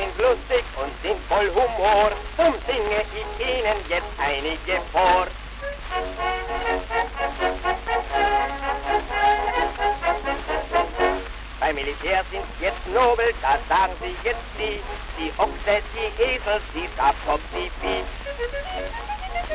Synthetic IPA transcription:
ɪnɡlʊstɪçʔʊntz̥ɪntfɔlɦumoːʁt͡sʊmdɪŋəɡɪçtʔiːnənjɛt͡stʔaɪnɪɡəfoːʁ | b̥aɪmilitʰɛːzɪntjɛt͡stnoːbl̩d̥aːz̥aːɡŋ̩ziːjɛt͡stz̥iːd̥iːʔɔktɛdiːʔeːzl̩sd̥iːsafkʰɔpz̥iːfiː

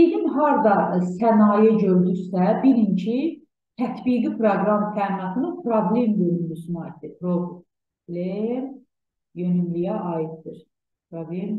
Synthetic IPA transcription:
id̪imɦɑɾd̪ɑsænɑːjeɟøɾd̪ysæbiɾincʰi | t̪ʰæt̪ʰbiːɡipʰɾoɡɾɑmt̪ʰæːmiɑt̪ʰɯnɯnpʰɾoblʲemjøɾynd̪ysynɑit̪d̪ipʰɾob | blʲem | jønymlyjæʔɑjit̪̚d̪iɾ | pɾoblem

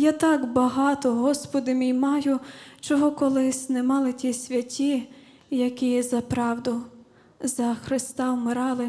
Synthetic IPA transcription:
jat̪ɑɡbɐɦɑt̪ɔɦɔspɔd̪ɪmʲijmɑjʊt͡ʃɔɦɔkɔlˠɪsʲnɛmɑlˠɪtʲisʲʋʲɐtʲːi | jɐkʲijɛzɐpɾɑwd̪ʊ | zɐxɾɪst̪ɑwmɪɾɑlˠɪ

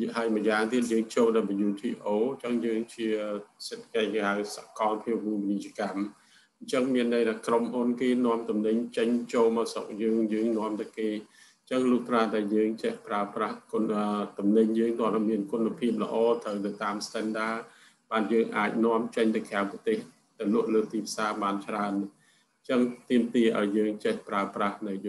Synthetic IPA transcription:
ɦaəjməjaːŋt̪iət̪̚jəːŋt͡ɕoːlɗajɓajuːt̪ʰiːʔoːɲt͡ɕəŋjəːŋt͡ɕiəset̪ʰːḁkəc̚hawsa̰ʔkɑlpʰiəp̚muːŋpinic̚t͡ɕĭəkam | ɲt͡ɕəŋmiənːəjt̪ʰaːkromhunkeːnŏəmt̪umnɨɲt͡ɕəɲt͡ɕoːlmasok̚jəːŋjəːŋnŏəmt̪ɨwkeː | ɲt͡ɕəŋlʊːt̪raːɗaɛljəːŋt͡ɕəhpraəprahkət̪umnɨɲjəːŋt̪ŏəlʔmiənkunapʰiəp̬̚lə̰̆ʔɑːt̪ʰəwnɨwt̪aːmst̪ɛnɗaː | ɓaːnjəːŋʔaːc̚nŏəmt͡ɕəɲt̪ɨwkʰeaŋpət̪eːh | t̪ɨwnʊ̆əʔləːt̪iːpʰsaːɓaːnt͡ɕraən | ɲt͡ɕəŋt̪iəmt̪iəʔa̰ɔjːəːŋt͡ɕɛhpraəprahnɨw

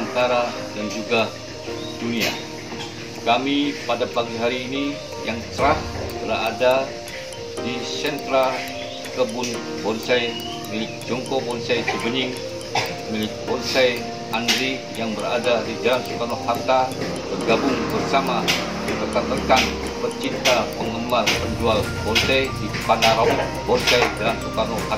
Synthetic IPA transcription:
ant̪aɾa | dand͡ʒuɡa | d̥unia̰ | kamipadapaɡiɦaɾiːni | jaŋt͡ʃəɾaht̪əla̰ada | disɛnt̪ɾa | kəbʊn | bɔlisaj | mil̚ | d͡ʒɔŋkɔbɔnisajt͡ʃəbəɲɪŋ | milk̚bɔnsaj | andɾi | jaŋbəra̰dadid͡ʒalansukanɔkhat̪a | bərɡabʊŋt̪ərsama | dt̪ərt̪at̪ərkan | pərt͡ʃint̪apəŋəmarpəɲd͡ʒual | bɔnsajdipanaɾa | bɔnsajd͡ʒalansukanɔha

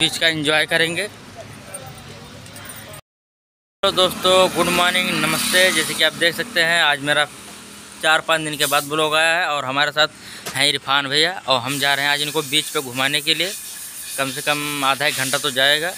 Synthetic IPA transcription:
biːt͡ʃkaɪ̃ɲd͡ʒɔːjkɐɾẽːŋɡeː | od̪oːst̪õɡʊɽ̤ʱmɔːnɪ̃ŋɡnɐməst̪ed͡ʒɛːsekiaːp̚d̪eːkʰsɐk̚t̪eɦɛ̃aːd͡ʒmeːɾa | t͡ʃaːɾpãːt͡ʃd̪ɪnkebaːd̪̚bʊloɡaːjaɦɛɔːɾɦɐmaːɾesaːt̪̚ʰ | ɦɛ̃ɪɾɪpʰaːnbʱejaɔːɾɦɐmd͡ʒaːɾəɦɛ̃aːd͡ʒɪnkobiːt͡ʃpeɡʱʊmaːnekelie | kɐmsekɐmaːd̪ʱaːɪk̚ɡʱɐ̃ɳʈat̪od͡ʒaːeːɡaː

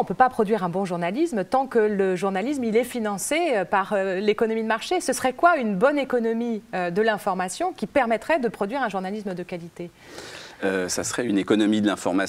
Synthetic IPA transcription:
ɔ̃pøpapχɔd̪ɥiʁɛ̃bɔ̃ʒuʁnalismt̪ɑ̃kələʒuʁnalismilɛfinɑ̃seøpaʁlekɔnɔmid̪əmaʁʃesəsəʁɛkwaynbɔnekɔnɔmiød̪əlɛ̃fɔʁmasjɔ̃kʲipɛʁmɛt̪χɛd̪əpχɔd̪ɥiʁɛ̃ʒuʁnalismd̪əkalit̪e | øsa̰sʁɛynekɔnɔmid̪əlɛ̃fɔ̰ʁma

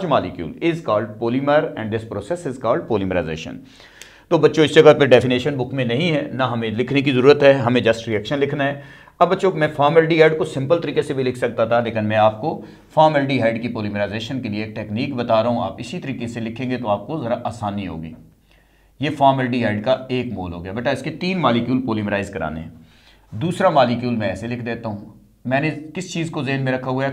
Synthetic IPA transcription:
t͡ʃmaːlɪkjṵːlɪzkaːlɖpoːliməɾɛ̰̃ːɳɖɖɪspɾoːsɛsɪzkaːlɖ̚poːliməɾa̰ɪzḛːʃə̰n | t̪oːbɐtːʃõɪsd͡ʒɐkat̪̚peɖɛːfineːʃənbʊkʰmẽnɐɦĩɦɛːnaɦɐmẽlɪkʰnek̬izɐɾuːɾət̪ɦɛːɦɐmẽd͡ʒɐsʈɾiɛːkʃə̃nlɪkʰnaɦɛː | ɐbːɐtːʃoːmɛ̃ːfʰaːɾmɛlʈiɦaːɪɖkosɪ̃mpəlt̪ɐɾiːkesebʱilɪkʰsɐk̚t̪at̪ʰaleːkɪnmɛ̃aːp̚ko | fʰaːɾmɛlɖiɦaːɪɖkipoːliːmɾaːɪzeːʃənkelieːʈɛːkniːkbət̪aːɾaɦũa̰ːpɪsit̪əɾiːkeselɪkʰːẽːŋɡet̪oaːp̚kozɐɾaʔaːsaːnɦĩɦo̰ːɡḭː | jeːfʰaːɾməlɖiɦaːɪɖkaeːkmoːlɦo̰ːɡjaːbeːʈaɪsket̪iːnmaːlikjuːlpoːliːmɾaːɪzkɐɾa̰ːnḛɦɛ̰̃ː | d̪uːsɾamaːlɪkjuːlmɛ̃ɛːselɪkʰd̪eːt̪aɦũː | mɛ̃ːnẽkɪst͡ʃiːzkozeɦnmẽɾɐkʰːaɦua

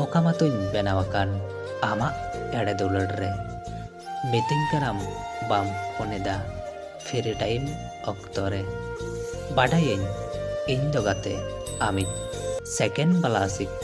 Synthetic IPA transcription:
ɔkamat̪uɲbɛnawakan | amaʔɛɽɛd̪uləɖɾɛ | mit̪iŋkanam | bamkɔnɛd̪a | pʰiɾiʈajm | ɔkt̪ɔɾɛ | baɖajəɲiɲd̪ɔɡat̪ɛamit̪̚ˀsɛkɛnbalasik̚

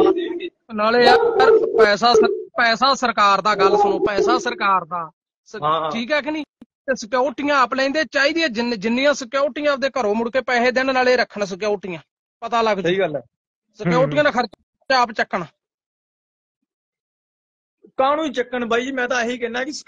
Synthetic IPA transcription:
naːleːəɾpɛːs̬aːsəɾpɛːsãːsəɾkaːɾd̪aːɡəlːsʊnõːpɛːsaːsəɾkaːɾd̪aː | səʈʰiːkɦɛːk̬ːniːt̪esəkjaːʈɪjãːplɛ̃ĩnd̪eːt͡ʃaːiːd̪iɛːd͡ʒd͡ʒɪnːɪjãːsəkjaːʈɪjãːd̪eːkəɾõːmʊɽkeːpɛːɦeːd̪ɪnnaːleːɾəkʰːɳːs̬ək̬joːʈɪjãː | pət̪aːləɡiːɡəlɛː | səkaːʈɪjãːkʰəɾt͡ʃ | t͡ʃaːpt͡ʃəkːəɳaː | kaːñũːit͡ʃəkːəɳbaːimɛ̃ːt̪ãːɦiːkɛnaːkɪs

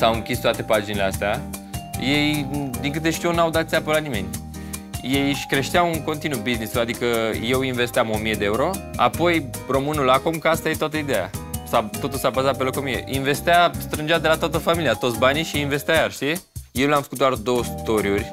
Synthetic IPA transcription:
sawɨŋkʲist̪oat̪e̞pad͡ʒineleast̪eaje̞jd̪iŋkɨt̪e̞ʃt̪iuwnawd̪at̪seabəlanime̞nʲ | je̞jʃkɾe̞ʃt̪eawɨŋko̞nt̪inubiznisuad̪ikəje̞winve̞st̪eamo̞mije̞d̪eeuɾo̞a̰po̞j | ro̞mɨnulakomkast̪ajet̪oat̪əid̪eja̰sat̪o̞t̪ulsabazat̪̚pe̞loko̞mijḛʔinve̞st̪east̪ɾɨnd͡ʒat̪d̪e̞lat̪oat̪əfamiliat̪o̞t̪sʲbaniʃiinve̞st̪eajarʃt̪ijewlʲamfəkut̪̚d̪oard̪o̞wəst̪oɾiurʲ

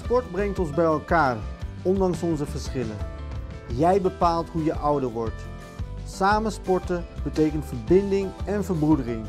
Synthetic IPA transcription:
spɔɹdbrɛŋtɔnzbɛjɛlˠkaːrɔndɑŋsɔnzəvəɹsχɪlə̰ | jɛjbəpaːlˠtɦujəʔʌwdəɹʋɔɹt | saːmənspɔɹtəb̥ətejkəntvəɹbɪndɪŋɛnvəɹbrudərɪŋ

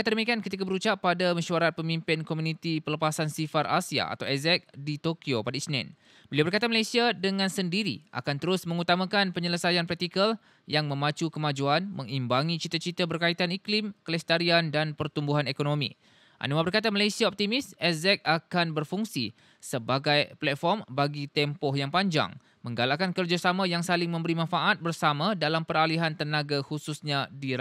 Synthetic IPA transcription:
at̪ədəmĩkiankət̪ik̬abəɾut͡ʃapːadaməʃuaɾat̪̚pəmimpɪnkomũnit̪ipələpasansifaɾʔa̰sia̰a̰t̪awɛzɛk̚dit̪okiopadaisnɛ̰̃n | bəliawbərkat̪aməlajsiadəŋãnsəndiɾḭʔa̰kant̪əɾʊsmə̃ŋut̪amãkanpəɲələsajanpɾɛt̪ikəl | jaŋmə̃mãt͡ʃukəmãd͡ʒuanmə̃ŋimbaŋĩt͡ʃit̪ət͡ʃit̪abərkait̪aniklimkəlɛst̪aɾiandanpərt̪umbuɦanekonõmḭ̃ | ʔa̰nũabərkat̪amalajsiaɔp̚t̪imɪsɛzɛk̚akanbərfuŋsḭ | səbaɡajplɛt̪̚fɔrmbaɡit̪ɛmpɔhjaŋpaɲd͡ʒa̰ŋ | mə̃ŋɡalakankərd͡ʒasamãjaŋsalɪŋmə̃mbəɾimãnfaʔat̪̚bərsamãdalampəɾaliɦant̪ənaɡahususɲãdiɾ

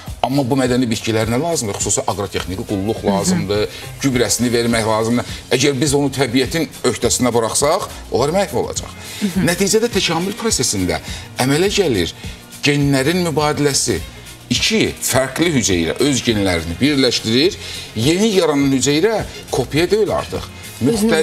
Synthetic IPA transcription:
ɑmːɑbumæd̪ænibit̪̚cʰilæɾinælˠɑːzɯmd̪ɯxu̥suːsiʔɑɡɾo̞t̪ʰe̞xnikiɡulˠːuχlˠɑːzɯmd̪ɯ | ɟybɾæsinive̞ɾmæçlˠɑːzɯmd̪ɯʔæɟæɾbizo̞nut̪ʰæbijæt̪ʰinø̞çt̪ʰæsinæbɯɾɑχsɑχ | o̞lˠɑɾmæhfo̞lˠɑ̰d͡ʒɑ̰χ | næt̪ʰiːd͡ʒæd̪æt̪ʰæcʰɑːmylpʰɾo̞se̞sind̪æ̰æmælæɟæliɾ | ɟenlæɾinmybɑːd̪ilæsḭ | it͡ʃʰifæɾɡliɦyd͡ʒejɾæ̰ʔø̞zɟenlæɾinibiɾlæʃt̪iɾiɾje̞nijɑɾɑnɑnhyd͡ʒejɾæ | kʰo̞pʰijɛd̪øjilɑ̰ɾt̪ʰɯ̰χ | myxt̪æ

